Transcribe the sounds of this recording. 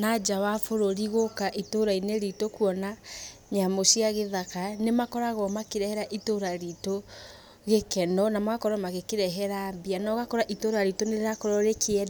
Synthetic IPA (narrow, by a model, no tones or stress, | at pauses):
nad͡ʒawafoɾoɾiɣokaʔitoɾaineɾitokuɔnaɲamosiaɣeðakanemakɔɾaɣɔmakeɾɛhɛɾaʔitoɾaɾito | ɣekɛnɔnamakɔɾɔmaɣekeɾɛɦɛɾambianɔɣakɔɾaʔitoɾaɾitoneɾakɔɾɔɾekeɛ